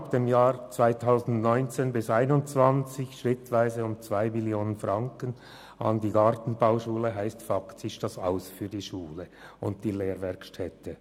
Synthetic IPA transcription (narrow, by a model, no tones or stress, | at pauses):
pd̥emjaːɾt͡sv̥aɪtʰaʊsn̩dnɔʏnt͡seːnbɪsaɪnʊnt͡sv̥ant͡sɪçʃʁɪtvaɪzəʊmt͡sv̥aɪmiljoːnənfʁɑŋkən | ʔɑ̰ndiːɡɑʁtn̩baʊʃuːləɦaɪstfaktsɪʃd̥asa̰ʊsfyːɐdiːʃuːləʊnt̚d̥iːleːʁvɛɐkʃtʰɛtə